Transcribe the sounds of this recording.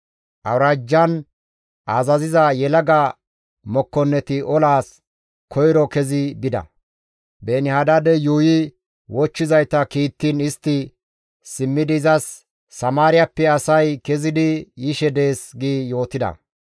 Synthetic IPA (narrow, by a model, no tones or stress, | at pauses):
ʔɐ̰wɾaːd͡ʒːɐn | ʔaːzɐzɪzɐjɛlɐɡɐ | mɔkːɔnːɛt̪ɪɔlaːs | kʰɔjɾɔkɛzɪbɪd̪ɐ̰ | beːnɪhad̪ad̪ɛjuːjɪ | wɔt͡ʃːɪzɐjt̪ɐkiːt̪ːinɪst̪ːɪ | sɪmːɪd̪ɪzɐsː | ɐmaːɾɪjɐpːɛɐsɐjkɛzɪd̪ɪjɪʃɛd̪e̞ːsɡiːjo̞ːt̪ɪd̪ɐ̰